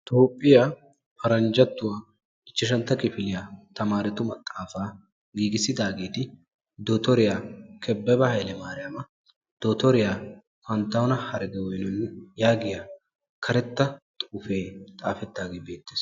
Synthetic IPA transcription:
t̪oːpʼːɪjaː | fɐɾɐnd͡ʒɐt̪ːʊwaː | ɪt͡ʃːɪʃɐnt̪ːɐkɪfɪlɪjat̪ɐmaːɾɛt̪ʊmɐt̪ʼːaːfaː | ɡiːɡɪsɪd̪aːɡe̞ːt̪ɪ | d̪oːt̪ɔɾɪjaːkʰɛbːɛbɐhɐjlɛmaːɾɪjaːmɐ | d̪̥ot̪ɔɾɪjaː | fɐnt̪ːɐwɔnɐhɐɾɡɛwɔjnɔnːjaːɡɪja | kʰɐɾɛt̪ːɐt̪ʼuːfe̞ːt̪ʼa̰ːfɛt̪ːaːɡeːbe̞ːt̪ːeːs

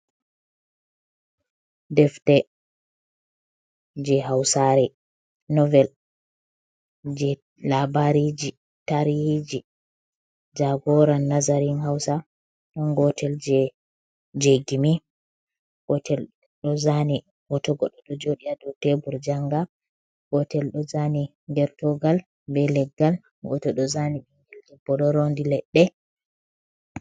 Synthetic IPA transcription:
dɛftɛ | d͡ʒɛɦawsaɾɛ | nɔvɛl | d͡ʒɛ | labaɾid͡ʒi | taɾjid͡ʒi | d͡ʒaɡɔɾanːazaɾinhawsa | ɗɔnɡɔtʰɛld͡ʒɛ | d͡ʒeɡimi | ɡɔtʰɛl | ɗɔzani | ɡɔtɔɡɔɗɔɗɔd͡ʒoɗijadɔwtebuɾd͡ʒaŋɡa | ɡɔtɛlɗɔzani | ŋɡɛɾtɔɡal | bɛlɛɡːal | ɡɔ̰tɔɗɔzaniɓiŋɡɛld͡ʒɛbɔɗɔɾondilɛɗːɛ

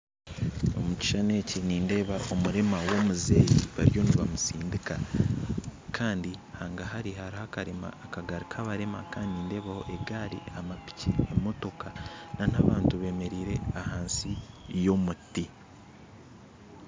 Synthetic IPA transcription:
o̞̰muci̥ʃane̞ːciniːnde̞ːβaʔo̞muɾe̞mawo̞muze̞ːjḭβa̰ɾjo̞niβa̰musiːndika | kʰaːndihaːŋɡahaɾihaɾihakaɾema̰ːkaɡaɾikʰaβaɾe̞makaːndiniːnde̞ːβaho̞̰ʔe̞ɡaːɾḭamapi̥cḭemo̞to̞kanan̥aβaːntuβe̞ːme̞ɾiːɾe̞ahaːnsi | jomuti

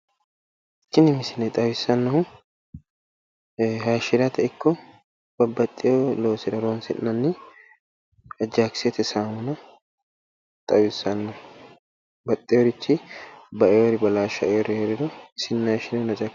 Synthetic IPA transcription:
ɪt͡ʃːɪnɪmɪsɪnɛt̪ʼɐwɪsɐnːɐhʊ | ɦɐʃɪɾɐt̪ɛɪkʰːɔ | b̥ɐbːɐt̪ʼːɪjoloːsɪɾɐɾoːnsɪʔnɐnːɪ | ɐd͡ʒaːkset̪ɛsaːmʊnɐ | t̪ʼɐwɪsːɐnːɐhʊ | bɐt̪ʼːɪjɔɾɪt͡ʃːɪbɐʔɛjɔɾɪbɐlaːʃɐɛɔɾɪheɾɪd̪ɔɪsɪnːɐʃɪnɛnɐt͡ʃʼɐ

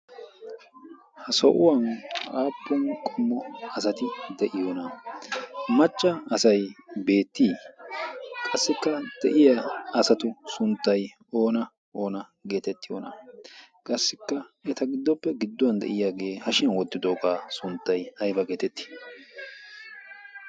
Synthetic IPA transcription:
hɐsɔʔʊwɐnaːpːɔnkʼɔmːɔɐsɐt̪ɪd̪ɛʔɪjoːnɐ | mɐt͡ʃʼːɐːsɐjbe̞ːt̪ːiː | kʼɐsːɪkːɐd̪̥ɛʔɪjaɐsɐt̪ʊsʊnt̪ːɐj | o̞ːnɐ | ʔo̞ːnɐ | ɡe̞ːt̪ɛt̪ːɪjo̰ːnɐ̰ | kʼɐsːɪkːɐɛt̪ɐɡɪd̪ːɔpːɛɡɪd̪ːɔwɐnd̪ɛ̰ʔɪjaːɡe̞ːhɐʃɪnɐwɔt̪ːɪd̪oːkaːsʊnt̪ːɐjɐjbɐɡe̞ːt̪ɛt̪ːɪ̥

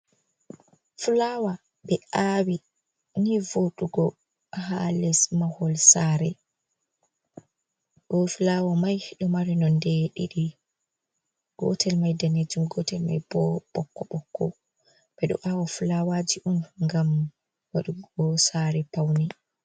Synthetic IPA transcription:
fulawa | ɓɛawi | nivoɗuɡɔ | halɛsmahɔlsaɾɛ | ɡ̥ɔfulawamajhɛɗɔmaɾɛnɔndɛɗiɗi | ɡ̥ɔ̰tʰɛlmajdaned͡ʒumɡɔtɛlma̰jbɔɓɔkːɔɓɔkʰːɔ̰ | bɛɗɔ̰ʔawafulawad͡ʒiʔunŋɡam | waɗuɔsaɾɛpawni

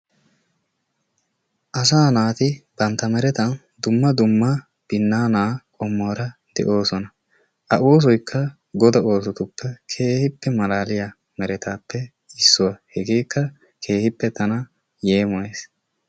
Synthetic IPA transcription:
ʔɐs̬aːnaːt̪ɪb̥ɐnt̪ːɐmɛɾɛt̪ɐn | d̪ʊmːɐd̪ʊmːɐ | b̥ɪnːaːnaːkʼɔmːoːɾɐd̪ɛ̰ʔo̞ːsɔnɐ | ʔɐʔoːs̬ɔjkʰːɐ | ɡɔd̪ɐo̞ːs̬ɔt̪ʊpːɛkʰe̞ːhɪpːɛmɐlaːlɪjɐ | mɛɾɛt̪aːpːɛ | ɪsːʊwɐhɛɡeːkːɐ | kʰe̞ːhɪpːɛt̪ɐnɐ | jeːmɔjeːs

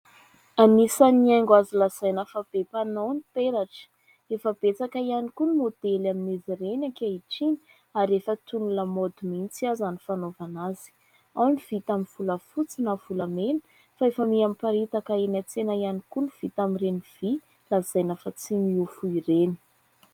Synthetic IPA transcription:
anisaniaŋɡwazilaz̥ajnəfab̥epanownipeɾaʈ͡ʂə̥ | efəb̥et͡sakaianikunimod̪̥elaminiziɾenakaiʈ͡ʂini̥ | aɾefət̪unuləmod̪umint͡siazanifanovanazi̥ | awniv̥it̪aminv̥uləfut͡sinav̥uləmenə̥ | faefəmiamipaɾit̪akaenat͡senaianikuniv̥it̪amireniv̥i | laz̥ajnafat͡simiufuiɾeni̥

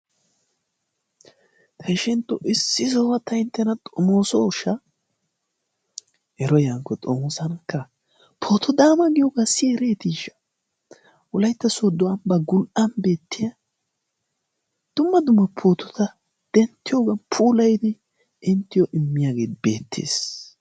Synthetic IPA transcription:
k̪ʰɐʃɪnt̪ːɔʔɪsːɪzɐwɐt̪ːɐɪnt̪ːɛnɐt̪ʼɔmoːsɔʊʃɐ | hɛɾɔjaŋkːɔt̪ʼɔmoːsɐnɐkːɐ | pʰoːt̪ʰɔd̪aːmɐɡɪjoɡasiɾeːt̪iʃɐ̥ | ʔʊlɐjt̪ːɐsod̪ʊɐmbɐɡʊlʔɐnbe̞ːt̪ːɪjɐ | d̪̥ʊmːɐd̪ʊmːɐpʰoːt̪ɔ̥t̪ɐ | d̪̥ɛnt̪ːɪjoːɡɐpʰuːlɐjd̪ɪ | ɪnt̪ːɪjɔʔɪmːɪjaːɡe̞ːt̪beːt̪ʰːḛːs

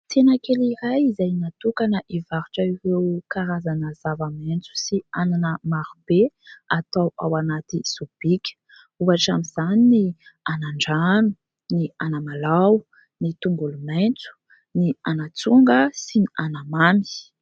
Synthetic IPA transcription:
t̪ʰenəkeliɾajizajnat̪ukanəʔivaɾuʈ͡ʂaivekaɾazanəz̥avament͡su̥siananəmaɾubeat̪awawanat̪iz̥ub̥ikʲə̥ | uaʈ͡ʂamiz̥aninianaɳɖ͡ʐanu | nianamalaw | nit̪uŋɡulument͡su̥ | nianat͡suŋɡəsinianamami̥

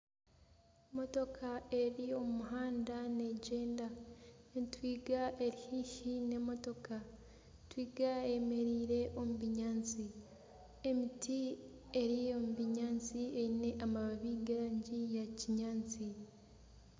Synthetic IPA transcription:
mo̞to̞kʰae̞ɾio̞mumuɦaːndane̞ɟe̞ːnda | twiːɡaʔe̞ɾihiːʃine̞mo̞to̞ka | twiːɡae̞me̞ɾiːɾe̞ʔo̞muβiɲaːnt͡si | e̞miti | e̞ɾio̞muβiɲaːnt͡sieine̞ʔamaβaβiːɡeɾaɲɟijaciɲaːnt͡si

